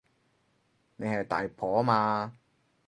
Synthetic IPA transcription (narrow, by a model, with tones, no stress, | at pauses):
ne˨˧jhɐ˨jt̪a̰ː˨˩jpʰɔː˨˥˦maː˧